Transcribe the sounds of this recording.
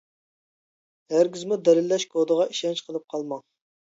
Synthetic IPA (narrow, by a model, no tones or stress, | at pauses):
hæɾɡʲizmud̪ɛlɪlːɛʃkʰod̪əʁɑiʃɛnt͡ʃqʰəlˠɨp̚qʰɑlˠmɑŋ